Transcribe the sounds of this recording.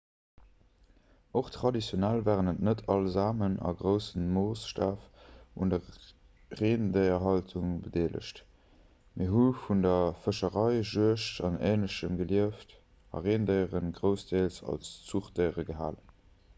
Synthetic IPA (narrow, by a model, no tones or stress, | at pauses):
oχtʁ̥ɑdit͡sjonælvaːʁənətnətʰɑlzaːmənɑ̰ɡʁəʊsənmoːsʃtaːfundɐ | ʁeːndəɪɐɦɑltʰuŋbədeːlʔə̰ʃt | miɐɦufundɐfəʃəʁɑɪʒuəʃtɑneːnləʃəmɡəliəft | ɑ̰ʁeːndəɪəʁənɡʁəʊsd̥eːlsɑ̰lst͡suχd̥əɪəʁəɡəɦa̰ːlən